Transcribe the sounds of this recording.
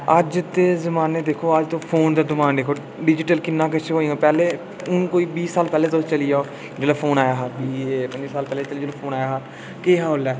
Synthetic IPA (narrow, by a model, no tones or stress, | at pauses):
əd͡ʒt̪eːzəmaːneːd̪eːkʰoːəd͡ʒt̪õːpʰoːnd̪əːd̪ɪmaːnɖeːkʰoː | ɖɪd͡ʒɪʈəlkɪnːãːk̬ət͡ʃʰeɦoːĩãːpɛːleː | ʊnkoːiːbiːsːaːlpɛːleːd̪ost͡ʃəliːd͡ʒaːoː | d͡ʒəlaːpʰoːnaːjaːɦaɾbiːepə̃ɲd͡ʒisaːlpɛːleːt͡ʃəlːd͡ʒəloːpʰoːnaːjaːɦa | keɦaːoːlɛː